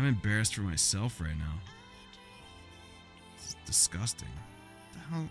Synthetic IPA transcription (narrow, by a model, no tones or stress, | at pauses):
ɪ̃mɨ̃mbɛɹɨstfə˞maɪsɛlˠfɹaɪtⁿnaʊ | sd̥ɨskʌstɪ̰̃ŋ | haʊ